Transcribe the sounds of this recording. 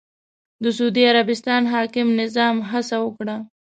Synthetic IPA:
d̪əsud̪iaɾabɪst̪ɑnɦɑkɪmnɪzɑmɦasawəkɽa

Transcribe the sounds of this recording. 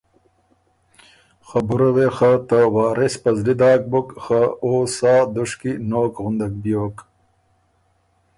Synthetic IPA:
xabuɾɐwexat̪awɑːɾespɐzlid̪ɑːk̚bukxaoːsɑːd̪uʂkinoːkɣʊnd̪ak̚bjoːk

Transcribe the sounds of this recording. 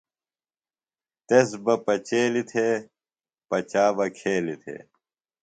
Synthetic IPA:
t̪esbɐpɐt͡ɕeːlit̪ʰe | pɐt͡ɕaːbɐkʰeːlit̪ʰḛ

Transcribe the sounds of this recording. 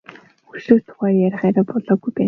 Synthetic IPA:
xɵʃuːt̪ʰʊ̥χæːjæɾʲɪ̆χæːɾæːpɔɮɔːɡujpæː

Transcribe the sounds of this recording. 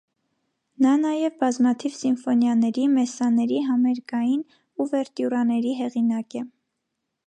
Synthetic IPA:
nɑnɑjɛvbɑzmɑt̪ʰivsinfɔnjɑnɛɾimɛsɑnɛɾiɦɑmɛɾkɑjin | uvɛɾt̪juɾɑnɛɾiɦɛʁinɑkɛ

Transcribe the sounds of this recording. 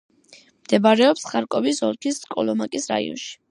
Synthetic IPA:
md̪̥ɛbaɾɛɔpsχaɾkʼɔvisɔɾkʰiskʼɔ̰lɔmakʼisɾa̰ḭɔ̰nʃi̥

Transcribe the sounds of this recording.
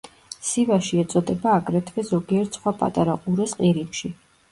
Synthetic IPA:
sivaʃiɛt̪sʼɔd̪ɛbaːɡɾɛt̪ʰvɛzɔɡiɛɾt̪ʰsχwapʼa̰t̪ʼaɾaqʼuɾɛsqʼiɾipʃi

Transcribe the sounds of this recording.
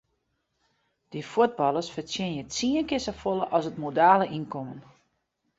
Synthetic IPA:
d̥ifuəd̚bɑlˠəsfərtjɪnjət͡siənkɪsəfolˠəʔɔsətmodaːləʔinkɔmən

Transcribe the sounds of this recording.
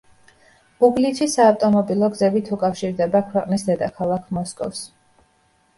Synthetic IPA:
uɡlit̪ʃisaːft̪ʼɔmɔbilˠɔɡzɛbit̪ʰukʼafʃiɾd̪ɛbakʰwɛqʼnisd̪ɛd̪akʰalˠakʰmɔskʼɔ̰fs

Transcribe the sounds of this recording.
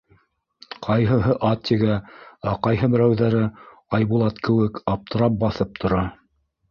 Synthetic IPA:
qʰɑjɦɤ̆ɦɤʔɑt̪ʲːiɡææqɑjɦɤbɘ̆ɾæwðæɾɘ | ɑjβulˠɑt̪kɘ̆wɘkɑp̚t̪ɤ̆ɾɑp̚bɑθɤp̚t̪ʰŏɾɑ

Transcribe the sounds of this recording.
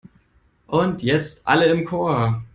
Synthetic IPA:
ʔʊntʰjɛt͡stʔa̰ləɪmkʰoːɐ

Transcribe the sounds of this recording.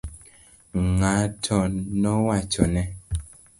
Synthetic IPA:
ŋatʰɔnɔwat͡ʃɔnɛ

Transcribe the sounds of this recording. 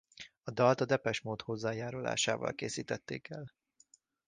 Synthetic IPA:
ɒd̪ɒlt̪ɒd̪ɛpɛʃmoːt̪ho̞zːaːjaːɾula̰ːʃaːvɒ̰lkeːsiːt̪ɛt̪ːeːkɛl

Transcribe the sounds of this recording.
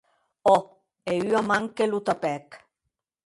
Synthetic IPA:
ɔ | eyamaŋkelut̪apɛk

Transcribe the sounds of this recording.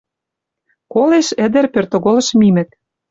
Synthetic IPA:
koleʃə̆d̪ɘ̆rpørt̪oɣolɤ̆ʃmimɘ̆k̪̚

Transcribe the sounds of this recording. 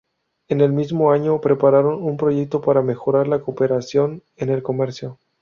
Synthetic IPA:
e̞ne̞lmizmo̞aɲo̞pɾe̞paɾaɾo̞numpɾo̞ʝe̞k̚t̪o̞paɾame̞xo̞ɾaɾlako̞pe̞ɾasjo̞n | e̞ne̞lko̞me̞ɾsjo̞

